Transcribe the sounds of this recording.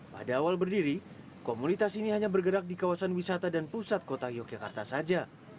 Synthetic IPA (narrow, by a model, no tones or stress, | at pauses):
pa̰daːwalbərdiɾi | komunit̪asiniɦaɲabərɡəɾak̚dikawasanwisat̪adanpusat̪̚kot̪ajokjakart̪asad͡ʒa